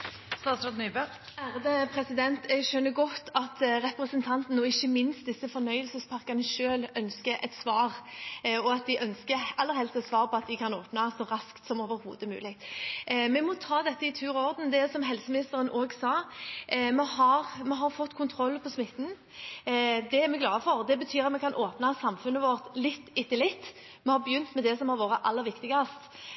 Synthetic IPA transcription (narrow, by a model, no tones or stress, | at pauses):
st̪ɑːsɾɑd̪nyːbø | æʁd̪əpʰʁɛsɪd̪ɛnt̪ɛɡʃœnːəɡɔt̪ːɑt̪ʁɛpɾəsənt̪ʰɑnt̪nəɔɪçːəmɪnst̪̚d̪ɪsːəfɔnœʏəlsəspʰɑʁkɑnəʃøːlœnskəʔɛ̰t̪sʋɑːʁɔɑt̪̚d̪ɪʔœnskəɛlːəɾhɛlst̪ɛt̪sʋɑːʁpʰɔɑt̪̚d̪ɪkʰɑnoːpnɑsɔɾɑskt̪sɔmoːʋəɾhṵːd̪əmʉ̰ːlɪ | mɛmɔt̪ʰɑːd̪ɛt̪ːəɪt̪ʰʉːʁɔʁd̪n̩d̪ɛsɔmɦɛlsəmɪnɪst̪əɾənʔoːɡsɑː | mɛhɑʁmɛɦɑɾfɔt̪ːkʰʊnt̪ʰɾɔlːpʰɔsmɪt̪ːn̩ | d̪ɛæɾmɛɡlɑːəfɔʁd̪ɛbət̪ʰyːɾɑt̪mɛkʰɑnʔoːpnɑsɑmfʉnːəʋɔɾt̪lɪt̪ːɪt̪ːɪlɪt̪ː | mɛhɑbjʏnt̪mɛd̪ɛsɔmhɑɾʋoːɾəʔɑlːəɾʋɪkt̪ɪɡɑst̪